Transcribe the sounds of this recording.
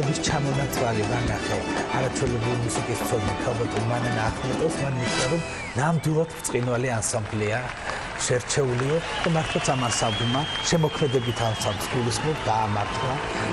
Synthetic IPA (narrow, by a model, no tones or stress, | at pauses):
ɛbist͡ʃʰamɔnat̪sʼɾalivanaχɛaɾat͡ʃʰwɛlɛbɾilimusikʼisʰɛd̪nik̪ʰalˠbɛt̪ʼulmanɛnaχʰmɛt̪ʼɛsmanit̪ʰaɾɔm | namd̪ilˠat̪ʰɾt̪sʼqʼinvaliansamblɛa | ʃɛɾt͡ʃʰɛuliɔd̪̥amaɾt̪ʰlˠat̪sʰamansamblmaʃɛmɔkʰmɛd̪ɛbit̪ʰansʰampsɡulismɛbɡ̪aːmaɾt̪ʰla